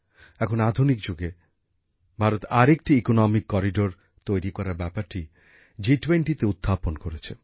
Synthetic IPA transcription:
ɛkʰonad̪ʱunikd͡ʑuɡe | bʱaɾot̪aɾek̚ʈiikonɔmikːɔɾiɖoɾ | t̪ojɾikɔɾaɾbɛpaɾʈi | d͡ʑiʈweɳʈit̪eud̪ʱːaponkoɾet͡ɕʰe

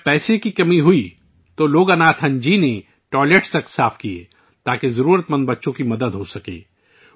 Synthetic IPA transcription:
pɛːsekikɐmiɦʊi | t̪oloːɡɐnaːt̪ʰɦɐ̃nd͡ʒine | ʈɔːɪleʈst̪ɐksaːfkiḛː | t̪aːkezɐɾuːɾət̪mɐ̃nd̪̚bɐtːʃõkimɐd̪əd̪ɦosɐkḛː

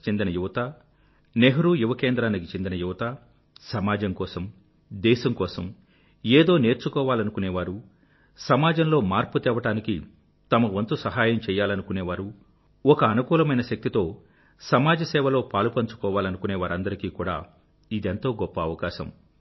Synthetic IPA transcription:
t͡ʃe̞nd̪inɐjuʋɐt̪a | neɦɐɾuːjuʋɐkeːnd̪ɾaːnikit͡ʃe̞nd̪inɐjuʋɐt̪a | sɐmaːd͡ʒɐŋkɔːsɐm | d̪ɛːʃɐmkɔːsɐm | eːd̪o̞ːne̞ːɾt͡ʃukɔːʋaːlɐnukuneːʋaːɾu | sɐmaːd͡ʒɐmlo̞ːmaːɾput̪ɛːʋɐʈaːniki | t̪ɐmɐʋɐnt̪usɐɦaːjɐmt͡ʃɛːjːaːlɐnukuneːʋaːɾu | ɔkɐːnukuːlɐmɐjnɐʃɐk̚t̪it̪o̞ː | sɐmaːd͡ʒɐsɛːʋɐlo̞ːpaːlupɐɲt͡ʃu̥kɔːʋaːlɐnukuneːʋaːɾɐnd̪ɐɾikiːkuːɽa̰ː | id̪ent̪o̞ːɡɔpːɐːʋɐkaːʃɐ̰m

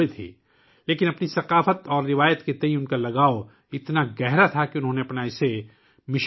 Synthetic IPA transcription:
et̪ʰḭː | leːkɪnɐpnisɐqaːfət̪ɔːɾːɪʋaːjət̪ket̪ɐ̃ĩʊnkalɐɡaːo | ɪt̪naɡɛɦɾat̪ʰakiʊnɦõːneɐpnaːɪse | mɪʃ

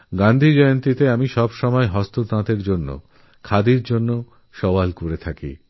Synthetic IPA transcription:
ɡãnd̪ʱid͡ʑɔjont̪it̪eamiʃɔbʃɔmɔeɦɔst̪ot̪ãt̪eɾd͡ʑonːo̰ | kʰad̪iɾd͡ʑonːo | ʃɔwalkoɾet̪ʰakḭ

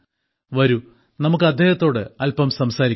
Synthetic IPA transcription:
ʋɐɾu | nɐmuk̬ːɨɐd̪ʱjeːhɐt̪ːo̞ːɽɨɐlpɐmsɐmsaːɾik

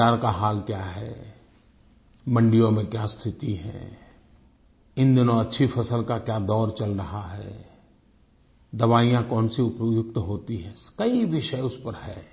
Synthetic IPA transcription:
aːɾkaɦaːlkjaːɦɛ̰ː | mə̃ɳɖijõmẽkjaːst̪ʰɪt̪iɦɛ̰̃ː | ɪ̃nd̪ɪnõɐtːʃʰifʰɐsəlkakjaːd̪ɔːɾt͡ʃɐlɾɐɦaɦɛ̰ː | d̪ɐʋaːijãkɔːnsiʊpjʊk̚t̪ɦoːt̪iɦɛ̃kɐiʋɪʃəeʊspəɾɦɛ̰ː

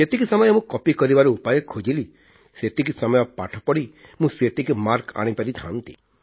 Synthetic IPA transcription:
et̪ikisamɔjɔmũkɔpikɔɾibaɾuupajɔkʰːod͡ʒili | set̪ikisamɔjɔpaʈʰɔpɔɽi | mũset̪ikumaɾka̰ɽ̃ipaɾit̪ʰã̰nt̪ḭ

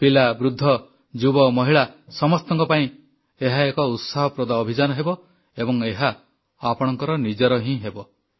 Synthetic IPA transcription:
pilabɾud̪ʱːɔ | d͡ʒubɔmɔɦiɭasɔmɔst̪ɔŋkɔpaĩ | eɦaekɔut̪saɦɔpɾod̪aɔbʱid͡ʒanɔɦebɔ | ebɔŋeɦaː | pɔɽ̃ɔŋkɔɾɔnid͡ʒɔɾɔɦĩɦebɔ

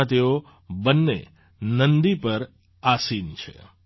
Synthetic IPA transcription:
t̪eo | bənːḛ | nənd̪ipəɾ | asint͡ʃʰḛ

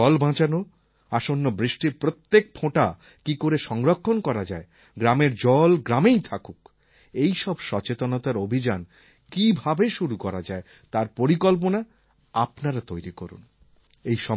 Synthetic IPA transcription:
ɔlbãt͡ɕano | aʃonːobɾiʃʈiɾpɾot̪ːek̚pʰõʈa | kikoɾeʃɔŋɾokʰːonkɔɾad͡ʑae | ɡɾameɾd͡ʑɔlɡɾamejt̪ʰakuk | ejʃɔbʃɔt͡ɕet̪onot̪aɾobʱid͡ʑan | kibʱabeʃuɾukɔɾad͡ʑae | t̪aɾpoɾikolp̬ona | apnaɾat̪ojɾikɔɾṵn | ejʃɔ

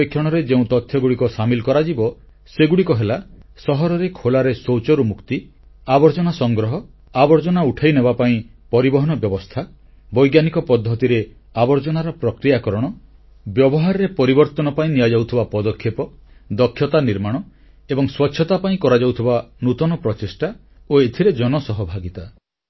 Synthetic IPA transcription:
ikʰjɔɽ̃ɔɾed͡ʒeũt̪ɔt̪ʰjɔɡuɽikɔsamilkɔɾad͡ʒibɔ | seɡuɽikɔɦelasɔɦɔɾɔɾekʰolaɾesowt͡ʃɔɾumukt̪i | abɔɾd͡ʒɔnasɔŋɡɾɔɦɔ | abɔɾd͡ʒɔnauʈʰajnebapaĩpɔɾibɔɦɔnɔbjɔbɔst̪ʰa | bɔjɡjanikɔpɔd̪ʱːɔt̪iɾe | abɔɾd͡ʒɔnaɾɔpɾɔkɾijakɔɾɔɽ̃ɔ | bjɔbɔɦaɾɔɾepɔɾibɔɾt̪ɔnɔpaĩnijad͡ʒawt̪ʰibapɔd̪ɔkʰːjepɔd̪ɔkʰːjɔt̪aniɾmaɽ̃ɔ | ebɔŋswɔtːʃʰɔt̪apaĩkɔɾad͡ʒawt̪ʰibanut̪ɔnɔpɾɔt͡ʃesʈa | oet̪ʰiɾed͡ʒɔnɔsɔɦɔbʱaɡit̪a

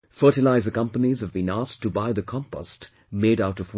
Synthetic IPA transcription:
fɜ˞ɾɨlaɪzɨkʌ̃mpənizʌvbĩnas̚tɨbaɪðɨkʰɑ̃mpɔ̰st | meɪɾaʊɾʌvw

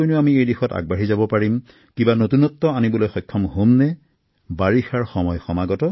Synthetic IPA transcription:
ojnʊamiejdixɔta̰ɡ̚baɦizabɔpaɹim | kibanotunɔtːɔanibɔlojxɔjkʰːɔmhomnɛ | baɹixaɹxɔmɔjxɔmaɡɔtɔ

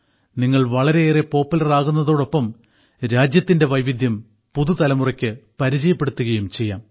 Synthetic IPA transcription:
niŋːɐɭʋɐɭɐɾe̞eːre̞po̞ːpːulɐraːɣunːɐðo̞ːɽo̞pːɐm | ɾaːd͡ʑjɐt̪ːinde̞ʋɐjʋid̪ʱjɐm | puðut̪ɐlɐmurɐkʲːɨpɐɾid͡ʑɐjɐpːe̞ɽut̪ːuɣɐjumt͡ɕe̞jːa̰ːm

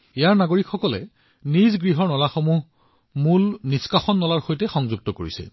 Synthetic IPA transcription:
ejaɹnaɡoɹikxɔkɔlɛ̰ | nizɡɹiɦɔɹnɔlaxomuɦ | mulniskaxɔnːɔlaɹxojtɛxɔŋzuɡ̚tɔkoɹḭsɛ̰

